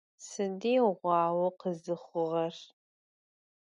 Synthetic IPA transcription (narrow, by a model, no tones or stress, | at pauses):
sɨdiːʁʷɑːwɐqəzɨχʷʊʁɐr